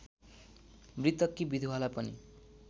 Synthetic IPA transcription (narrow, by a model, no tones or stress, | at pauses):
mɾit̪ʌkːibid̪ʱuɦalapʌni